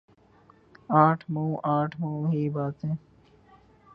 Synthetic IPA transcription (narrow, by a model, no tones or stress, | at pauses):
aːʈʰmɐũʔaːʈʰməũɦibaːt̪ɦɛ̃ː